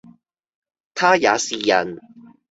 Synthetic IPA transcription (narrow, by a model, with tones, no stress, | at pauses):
t̪ʰaː˥jaː˨˧˥siː˨jɐ̰˨˩n